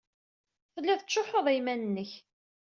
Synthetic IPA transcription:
fəlːæðt͡sːoħoðˤæjmænənːəç

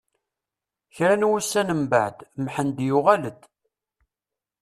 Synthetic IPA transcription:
çɾænwusːænəmbə̰ʕd̪mħənd̪jʊʁæləd̪

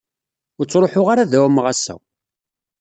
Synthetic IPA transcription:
ʊɾt͡sːɾˤoħʊʁaɾaðæwæmʁasːæ̰

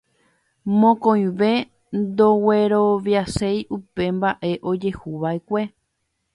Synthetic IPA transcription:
mõkõj̃ʋe̞ | nd̪o̞we̞ɾo̞ʋjasejʔupe̞mbaʔe̞ʔo̞d͡ʒe̞huʋaekʷe̞

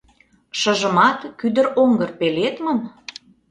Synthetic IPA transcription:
ʃə̆ʒə̆mɑt̪kyd̪əɾoŋɡərpelet̪məm

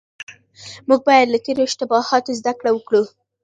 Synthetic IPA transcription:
muɡ̚bɑjad̪lat̪eɾoɪʃt̪ɪbɑhɑt̪ozd̪akɽawəkɽu

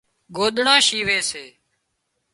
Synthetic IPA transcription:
ɡoːɗ̪ɳãːʃiːʋeːseː

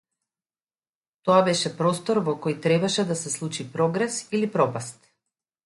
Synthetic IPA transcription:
t̪ɔabɛʃɛpɾɔst̪ɔɾvɔkɔjt̪ɾɛbaʃɛd̪asɛslˠut͡ʃipɾɔɡɾɛsilipɾɔpast̪

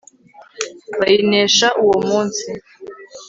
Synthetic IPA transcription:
βainɛʃaʔuwɔmunt͡si

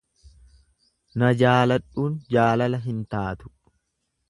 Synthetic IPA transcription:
nɐd͡ʒaːlɐᶑuːnd͡ʒaːlɐlɐɦɪnt̪aːt̪ʊ̥

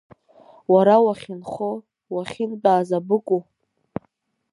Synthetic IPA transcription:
waɾawaχʲɪnχo | waχʲɪnbʼaːzabɨkʷʼu

